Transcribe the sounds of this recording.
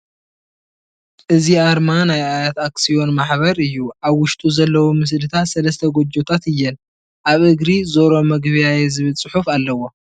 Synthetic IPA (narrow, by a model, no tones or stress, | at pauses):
ʔɨziaɾmanajajat̪aksio̞nmaħβɐɾɨjːuʔaβwʊʃt̪ʼuzɐlːɐwumɨs̬lɨt̪ʰat̪sɐlɐst̪ʰɐɡo̞d͡ʒot̪ʰat̪ɨjːɛn | ʔaβɨɡɾizo̞ɾo̞mɐɡβjajezɨβɨlt͡sʼɨħufalːɐwo̞